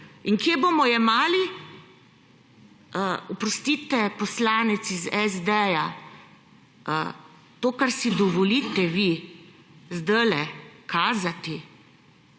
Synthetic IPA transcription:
iŋkjebomɔjɛmaːli | əɔpɾɔst̪iːt̪ɛpɔslaːnɛt̪sizɛzd̪ɛja | ə | t̪oːkaɾsid̪ɔʋɔlit̪ɛʋi | zd̪əlɛkʰaːzat̪i

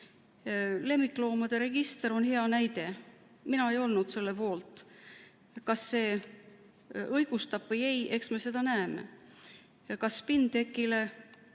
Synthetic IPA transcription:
le̞mːikːˑlo̞ːmɑd̪̥e̞ɾe̞ɡ̥ist̪e̞ɾo̞nhe̞ɑnæjd̪e̞ | minɑe̞jo̞lnud̪̥se̞lːe̞po̞ːlt̪ˑ | kɑsːe̞ː | ɤjɡ̥ust̪ɑb̥vɤje̞je̞ksme̞se̞d̪̥ɑnæemḛ | kɑspind̪e̞kːˑile̞

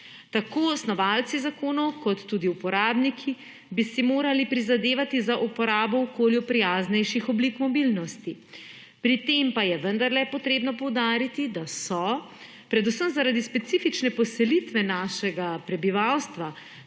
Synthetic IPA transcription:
t̪akoːsnɔʋalt̪sizakoːnɔwkɔt̪ːuːd̪iupɔɾaːbnikʰi | bisimoːɾalipɾizad̪eːʋat̪izaʔupɔɾaːbɔɔkoːljupɾijaːznɛjʃixɔblikmɔbilnɔst̪i | pɾit̪empajɛʋənd̪aɾlɛpɔt̪ɾeːbnɔpɔwd̪aːɾit̪id̪asɔ | pɾɛd̪usəmzaɾad̪ispɛt̪sifit͡ʃnɛpɔsɛlit̪ʋɛnaʃɛɡapɾɛbiʋawst̪ʋa

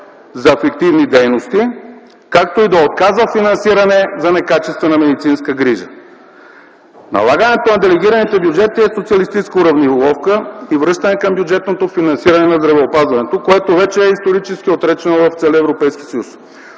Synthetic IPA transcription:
zɐɛfɛk̚t̪ivnid̪ɛjnost̪i | kak̚t̪oid̪ɐot̪̚kazvəfinɐnsiɾɐnɛzɐnɛkat͡ʃɛst̪vɛnɐmɛd̪it̪sinskəɡɾiʒə̰ | nɐ̰lˠaɡənɛt̪onɐd̪ɛlɛɡ̟iɾɐnit̪ɛbjud͡ʒɛt̪iɛsot̪siɐlist̪it͡ʃskəuɾɐvnivolˠɔfkəivɾɤʃt̪ɐnɛkɐmbjud͡ʒɛt̪not̪ofinɐnsiɾɐnɛnɐzd̪ɾɐvɛopazvɐnɛt̪okoɛt̪ovɛt͡ʃɛɛist̪oɾit͡ʃɛskʲiot̪ɾɛt͡ʃɛnovɐft̪sɛlʲiɛvɾopɛjsk̟ʲi̥sɐjus

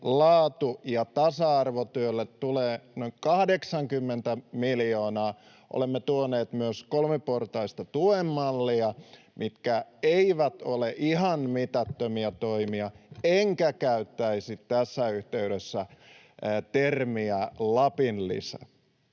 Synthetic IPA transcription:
lɑːt̪ujɑt̪ɑsɑɑrʋot̪yølːet̪tuleːnoikɑhdeksɑŋkymːent̪æmiljoːnɑː | ʔo̰lemːet̪uoneːt̪myøskolmeport̪ɑist̪ɑt̪uemːɑlːiɑ | mit̪kæeiʋæt̪oleʔihɑnmit̪æt̪ːømiæt̪oimiɑeŋkækæyt̪ːæisit̪t̪æsːæyht̪eyɾesːæ | t̪ermiælɑpinlḭsæ̰

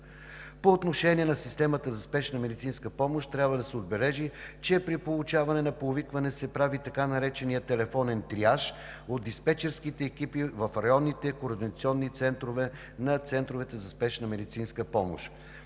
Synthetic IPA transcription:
poːt̪noʃɛniɛnɐsist̪ɛmət̪əzɐspɛʃnəmɛd̪it̪sinskəpɔmoʃt̪ɾʲabvəd̪ɐsɛod̪̚bɛlɛʒit͡ʃɛpɾipolˠut͡ʃavɐnɛnɐpovikvɐnɛsɛpɾavit̪ɐkanɐɾɛt͡ʃɛnijət̪ɛlɛfɔnɛnt̪ɾiaʃod̪d̪ispɛt͡ʃɛɾskit̪ɛːk̟ipivɐfɾɐjɔnːit̪ɛkoːɾd̪inɐt̪siɔnːit̪sɛnt̪ɾovɛ | nɐt̪sɛnt̪ɾovɛt̪ɛzɐspɛʃnəmɛd̪it̪sinskəpɔmo̰ʃ

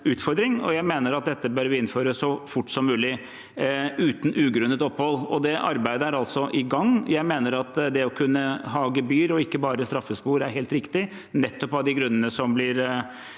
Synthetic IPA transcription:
ʉːt̪fɔɾd̪ɾɪŋɔ̰jæɪmeːnəɾɑt̪̚d̪ɛt̪ːəbœɾʋɪɪnføːɾəsɔfʊʈːsɔmːʉːlɪ | ʉːt̪n̩ʉːɡɾʉnːət̪ɔphɔlːɔd̪ɛʔɑ̰ɾbæɪd̪əæɾɑlt̪sɔʔɪɡɑŋːjæɪmeːnəɾɑt̪d̪ɛɔkʰʉnːəɦɑːɡəbyːɾɔɪkːəbɑːɾəst̪ɾɑfːəspuːɾæɾheːlt̪ɾɪkt̪ɪ | nɛt̪ːɔpɑd̪ɪɡɾʉnːənəsɔmblɪɾ

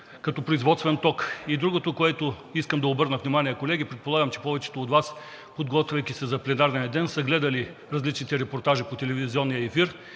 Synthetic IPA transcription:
kɐt̪ɔpɾoizvɔt̪st̪vɛnt̪ɔkid̪ɾuɡot̪okoɛt̪o | iskəmd̪ɐobɤɾnəvnʲimaniɛkolɛɡ̟ipɾɛt̪̚polˠaɡəmt͡ʃɛ̥pɔvɛt͡ʃɛ̥t̪oːd̪vas | pod̪ɡɔt̪vʲɛjkʲisɛzɐplɛnaɾnɛnɛd̪ɛnsɐɡlɛd̪ɐli | ɾɐzlit͡ʃnit̪ɛɾɛpoɾt̪aʒipot̪ɛlɛviziɔnːijəɛfiɾ

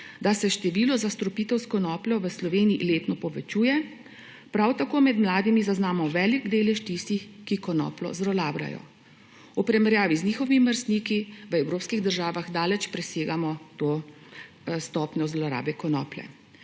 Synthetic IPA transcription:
d̪asɛʃt̪ɛʋiːlɔzast̪ɾɔpiːt̪ɛwskɔnɔːplʲɔʋəslɔʋeːniḭleːt̪nɔpɔʋɛt͡ʃuːjɛ | pɾawt̪akoːmɛd̪mlaːd̪imizaznaːmɔʋɛːliɡd̪eːlɛʃt̪ist̪ixkikɔnɔ̰ːplɔ̰zɾɔlaːbɾa̰jɔ̰ | upɾɛmɛɾjaːʋizniːxɔʋiməɾst̪nikiʋəɛwɾoːpskiɣd̪əɾʒaːʋaxd̪aːlɛt͡ʃpɾɛseːɡamɔt̪oː | st̪ɔːpnɲɔzlɔɾa̰ːbɛkɔnɔ̰ːplɛ̰

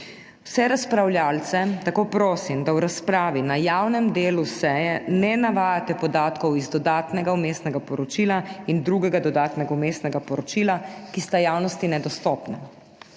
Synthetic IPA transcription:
wsɛɾaspɾawljaːlt̪sɛt̪akoːpɾoːsimd̪awɾaspɾaːʋinajawnɛmd̪eːlusɛːjɛnɛnaʋaːjat̪ɛpɔd̪aːt̪kɔwizd̪ɔd̪aːt̪nɛɡaumeːst̪nɛɡapɔɾɔt͡ʃilaind̪ɾuɡɛɡad̪ɔd̪aːt̪nɛɡaumeːst̪nɛɡapɔɾɔt͡ʃilakist̪ajaːwnɔst̪inɛd̪ɔst̪ɔːpnɛ

